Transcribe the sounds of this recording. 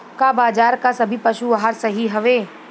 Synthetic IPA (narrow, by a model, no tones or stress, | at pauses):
kabaːd͡ʒaːɾkasɐbʱipɐʃuʋaɦaɾsɐɦiɦɐʋeː